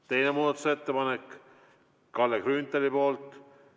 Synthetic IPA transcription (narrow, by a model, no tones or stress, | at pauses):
t̪e̞jnemuːd̪̥ɑt̪ːˑu̥se̞t̪ːepɑnek | kɑlːekrynt̪ːˑelipo̞ːlt̪ˑ